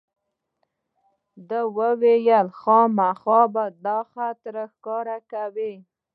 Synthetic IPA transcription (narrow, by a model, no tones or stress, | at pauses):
d̪əwəwejəlxɑmaxɑbad̪ɑxat̪ɾəxkɑɾakawi